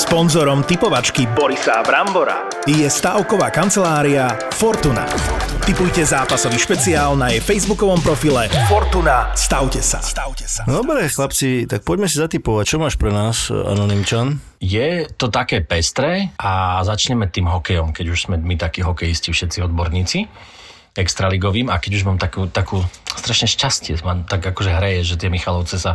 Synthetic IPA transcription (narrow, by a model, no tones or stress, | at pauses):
spɔnzɔɾɔmt̪ipɔʋat͡ʃkibɔɾisabɾambɔɾa̰ | jɛst̪aːʊkɔʋaːkant͡sɛlaːɾia | fɔɾt̪una̰t̪ipujcɛzaːpasɔʋiʃpɛt͡siaːlnajɛfɛjzbukɔʋɔmpɾɔfilɛfɔɾt̪unast̪aʊcɛsa̰st̪awcɛsad̪ɔbɾɛːxlapt͡sit̪ak̚pɔɟmɛsizat̪ipɔʋac̚t͡ʃɔmaːʃpɾɛnaːsa̰nɔnimt͡ʃan | jɛt̪ɔt̪akɛːpɛst̪ɾɛːʔazat͡ʃɲɛmɛt̪iːmɦɔkɛjɔmkɛɟuʒsmɛmit̪akiɦɔkɛjiscifʃɛt̪t͡siɔd̪bɔɾɲiːt͡si | ɛkst̪ɾaliɡɔʋiːmakɛɟuʒmaːmt̪akuːt̪akuːst̪ɾaʃɲɛʃcascɪɛmamt̪aɡakɔʒɛɦɾɛjɛʒɛt̪ɪɛmixalɔʊt͡sɛsa